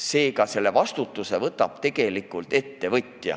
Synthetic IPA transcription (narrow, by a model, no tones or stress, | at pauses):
se̞ːkɑse̞lːe̞vɑst̪ut̪ˑːuse̞vɤt̪ːˑɑb̥t̪e̞ɡ̥e̞likːult̪e̞t̪ːe̞vɤt̪ʲːjɑ̰